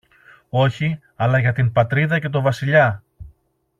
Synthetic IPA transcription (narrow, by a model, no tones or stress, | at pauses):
o̞çi | ɐlɐʝɐt̪impɐt̪ɾiðɐce̞t̪̬o̞vɐsiʎɐ